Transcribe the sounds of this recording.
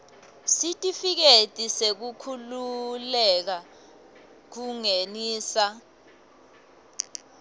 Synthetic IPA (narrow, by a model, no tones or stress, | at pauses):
sitʼifik̬etʼisek̬ukʰululɛk̬a | k̬uŋeniːsa